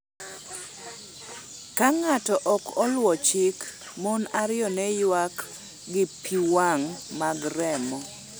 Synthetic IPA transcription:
kaŋatɔʔɔkɔlwɔt͡ʃik | monaɾɪɔnɛjwak | ɡɪpʰiwaŋmaɡɾɛmɔ

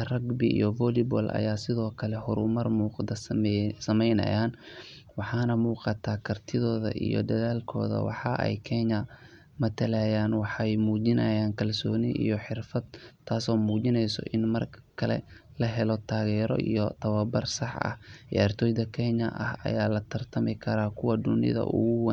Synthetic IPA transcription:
ɐrɐɡbɪʔḭjɔvɔlɪbɔːlʔɐ̰jaːsɪðɔːkʰɐlɛhʊɾʊmɐrmuːqd̪ɐsɐmɛjnɐ̰jaːn | wɑħɑːnɐmuːqɑt̪ʰaːkʰɐrt̪ʰɪðɔːðɐ̰ʔḭjɔ̰d̪ɐðaːlkʰɔ̰ːðɐ̰wɑ̰ħɑʔɛ̰jkʰɛɲɐ | mɐt̪ʰɐlajaːnwɑħjmuːd͡ʒɪnɐjaːnkʰɐlsɔːnɪʔḭjɔħɪrfɐd̪t̪ʰːaːsɔːmuːd͡ʒɪnɛjsɔ̰ʔɪnmɐrkʰɐlɛ̰lɐɦɛlɔt̪ʰaːɣɛːɾɔ̰ʔijɔt̪ʰɐwɐbɐrsɑħɐ̰hɛ̰ɐrt̪ʰɔːjd̪ɐkʰɛɲɐʔɐ̰hɐ̰jaːlɐt̪ʰɐrt̪ʰɐmɪkʰɐɾaːkʰʊwɐd̪ʊnɪ̰ðɐ̰ʔʊ̰ɣʊwɛ

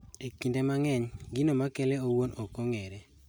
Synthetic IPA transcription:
ekindemaŋɛɲɡinomakeleowonokoŋeɾe

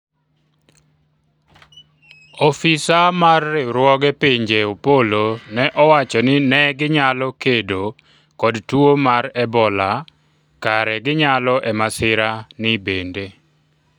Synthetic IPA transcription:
ɔfɪsamarːɪɾwɔɡɛpiɲd͡ʒeopolonɛʔɔwat͡ʃɔnɪnɛɡɪɲalɔkedo | kɔdtwomaɾɛbɔla | kaɾɛɡɪɲalɔʔɛmasɪɾanɪbende

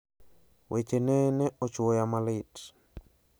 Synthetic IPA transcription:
wʔet͡ʃenɛnɛɔt͡ʃwojamalɪt

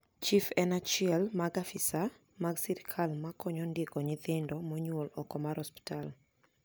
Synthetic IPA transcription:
t͡ʃifɛnat͡ʃiɛlmaɡafisa | maɡsiɾkʰalmakʰɔɲɔndɪkɔɲɪðɪndɔmɔɲwolɔkɔmaɾhɔspi̥tal

